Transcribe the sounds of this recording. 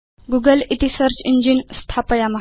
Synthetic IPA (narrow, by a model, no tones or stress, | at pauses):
ɡuɡəlit̪isəɾt͡ɕiɲd͡ʑinst̪ʰapəjaməɦ